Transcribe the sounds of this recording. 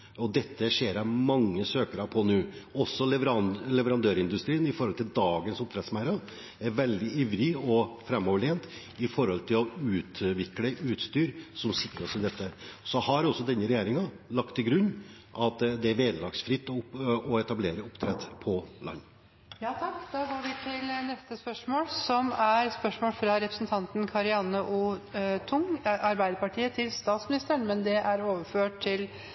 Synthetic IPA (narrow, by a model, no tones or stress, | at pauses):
ɔd̪ɛt̪ːəʂeːɾɑmɑŋːəsøːkəɾɑpʰɔnʉːɔsːɔlɛʋɾɑnlɛʋəɾɑnd̪øːɾɪnd̪ʉst̪ɾiːənɪfɔɾhɔlt̪ʰɪld̪ɑːɡənsʊpt̪ʰɾɛt̪smæɪɾɑ | ɛɾʋɛld̪ɪiːʋɾɪɔfɾɛmːɔːʋəɭeːnt̪ | ɪfɔɾhɔlt̪ʰɪlɔʉːt̪ʋɪkləʔʉːt̪st̪yːɾsɔmsɪkːɾəɔsɪd̪ɛt̪ːəsɔhɑɾɔsːɔd̪ɛnːəɾɛjeːɾɪŋɑ | lɑk̚t̪ʰːɪlɡɾʉnː | ʔɑt̪d̪ɛæɾʋeːd̪lɑksfɾɪt̪ːɔɛt̪ɑbleːɾəʊpt̪ʰɾɛt̪ːpʰɔlɑ̰nː | jɑːt̪ʰɑkːd̪ɑːɡoːɾʋɪt̪ʰɪlnɛst̪əspœʂmoːlsɔmæɾspœʂmoːlfɾɑɾɛpɾəsn̩t̪ʰɑnt̪n̩kʰɑɾɪɑnːəʔuːt̪ʰʊŋɑɾbæɪd̪əɾpɑʈʰiːət̪ʰɪlst̪ɑːt̪smɪnɪst̪əɾəɳmɛnd̪ɛʔæɾoːʋəføːʈ̪ʰɪl